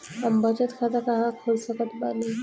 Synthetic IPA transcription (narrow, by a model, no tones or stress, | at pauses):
əmbət͡ʃət̪kʰat̪akaɦãkʰoɾsəkət̪bale